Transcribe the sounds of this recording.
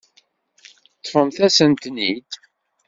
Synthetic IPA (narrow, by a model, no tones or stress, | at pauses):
t̪ˤːfəmθæsənt̪nid̪